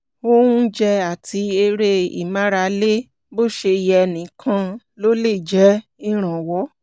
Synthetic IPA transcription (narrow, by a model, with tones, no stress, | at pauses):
o˦ũ˦d͡ʒɛ˧a˨tʰi˧e˧ɾe˦ḭ˨mã˦ɾa˧le˦ | bo˦˨ʃe˧i˧jɛ˧nĩ˨˦kʰã˧ | lo˦le˦˨d͡ʒɛ˨˦i˦ɾ̃ã˨wɔ˨˦